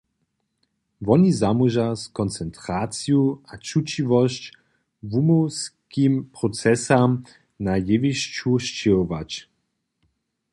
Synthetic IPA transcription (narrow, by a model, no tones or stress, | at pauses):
vɔnizamuʒaskɔnt͡sɛntʁat͡sjuat͡ʃut͡ɕivɔɕt͡ɕ | vumowskimpʁɔt͡sɛsam | najeviʃt͡ʃuʃt͡ɕeɔvat͡ɕ